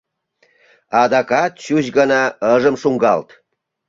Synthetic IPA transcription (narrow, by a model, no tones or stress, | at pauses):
ɑd̪ɑkɑt̪̚ɕut͡ɕɡənɑəʒəmʃuŋɡɑlt̪